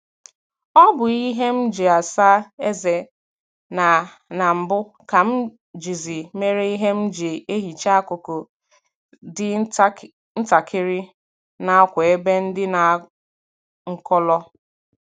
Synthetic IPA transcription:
ɔ˦bʊ˨i˦ɦe˦m̩˦d͡ʒe˨a˨sa˦e˦ze˨ | na˨ | na˨m̩˨bʊ˦ | ka˨m̩˦ | d͡ʒi˨zi˨me˦ɾe˦i˦ɦe˦m̩˦d͡ʒe˨e˦ɦi˨t͡ʃa˦a˦ko˨ko˨ | dɪ˦ | n̩˦ta˨kʰɪ˦ɾɪ˦ | na˦a˦kʷe˨e˦be˦n̩˦dɪ˦na˨ | ŋ̩˦kɔ˦lɔ˦

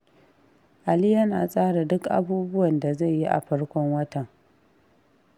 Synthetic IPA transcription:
ʔa˨li˦jɐ˦na̰ː˨sʼaː˦ɽa˨dʊ˦kʔa̰˨buː˦bʊ˦wɐ˨nda˨za˦˨jji˦ʔa̰˨ɸɐ˦ɽkʷɔ˦ŋwɐ˦tɐ˨ŋ

